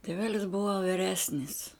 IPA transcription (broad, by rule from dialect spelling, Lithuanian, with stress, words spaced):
tʲeːˈʋʲæːlʲɪs ˈbʊʋɐ ʋʲɪˈrʲæːsʲnʲɪs